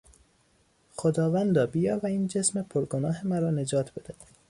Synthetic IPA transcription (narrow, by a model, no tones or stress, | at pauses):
xod̪ɒːvænd̪ɒːbijɒːvæiːnd͡ʒesmepʰoɾɡonɒːɦemæɾɒːne̞d͡ʒɒːt̪ʰb̥e̞d̪æ